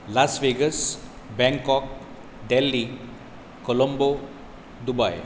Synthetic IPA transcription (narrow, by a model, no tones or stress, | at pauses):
lasʋeɡəs | bɛ̃ŋkɔk̚ | ɖɛlːi | kɔlɔmbo | d̪ubaj